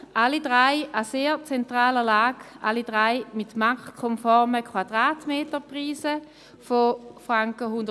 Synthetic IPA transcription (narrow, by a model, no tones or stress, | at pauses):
ʔalidʁaɪaseːt͡sɛntʁaːləlaːɡ̥ʔalidʁaɪmitmakkʰɔmfɔʁməkʰwad̥ʁaːtmeːtəpʁiːsə | fofʁaŋkəhʊnd